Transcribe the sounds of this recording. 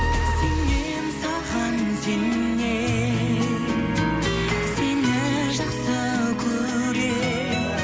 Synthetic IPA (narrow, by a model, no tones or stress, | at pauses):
sene | nsɑʁɑnseŋː | e | seneʒəqsəkʲʰɵ | ɾe